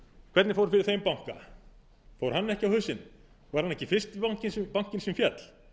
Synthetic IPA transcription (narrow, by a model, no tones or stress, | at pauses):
kʰvɛt̪nɪfoːwɾfɪɾɪɾ̥θejmpawŋ̥ka̰ | fowɾ̥hanːɛhcɪawhʏsɪn | vaɾhanːɛhcɪfɪst̪paŋ̥cɪspawŋ̥cɪnsɛmfjɛt̪l̥